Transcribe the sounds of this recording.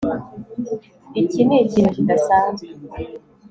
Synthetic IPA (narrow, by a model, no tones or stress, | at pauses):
icineicinucidasaːnzwe